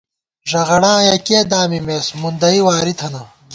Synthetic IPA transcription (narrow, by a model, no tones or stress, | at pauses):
ʐɐʁɐɽãːjɐkeːd̪aːmimeːsmund̪ɐiwaːɾit̪ʰɐnɐ